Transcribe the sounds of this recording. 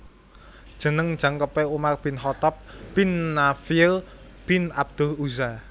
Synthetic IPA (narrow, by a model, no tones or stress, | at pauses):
d̥ʒ̥ə̤nəŋ̥d͡ʒ̥a̤ŋkəpeumarb̥ɪ̤nɦɔt̪ɔp̚b̥ɪnːafil | b̥ɪ̤nab̚d̪̥ʊ̤luza